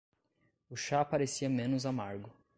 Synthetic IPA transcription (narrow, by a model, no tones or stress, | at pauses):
ʊʃapaɾesiɐmẽnʊzamaɾɡʊ